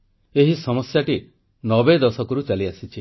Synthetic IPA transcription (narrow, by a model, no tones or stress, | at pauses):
eɦisɔmɔsjaʈi | nɔbed̪ɔsɔkɔɾut͡ʃaliasit͡ʃʰi